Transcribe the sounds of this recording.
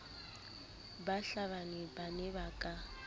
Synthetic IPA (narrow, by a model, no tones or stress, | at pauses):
baɬaβanɪbanɛbakʼa